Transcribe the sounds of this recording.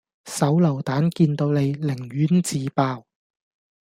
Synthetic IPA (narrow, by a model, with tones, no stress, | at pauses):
sɐ˨˥wlɐ˨˩wt̪aː˨˥nkiː˧nt̪o˧wne˨˧jlɪ˨˩ŋɥyː˨˥nt͡siː˨˧paː˧w